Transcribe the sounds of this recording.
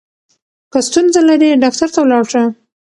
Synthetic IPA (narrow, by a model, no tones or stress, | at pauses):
kəst̪unzalaɾiɖɑk̚t̪aɾt̪awlɑɽʂə